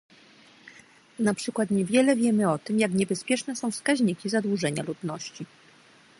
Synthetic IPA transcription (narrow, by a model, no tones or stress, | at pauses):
napʂɘkwat̪ɲɛvʲjɛlɛvʲjɛmɘɔt̪ɘmjakɲɛbɛspʲjɛʂnɛsɔ̃w̃fskaʑɲikʲizad̪wuʐɛɲalud̪nɔɕt͡ɕi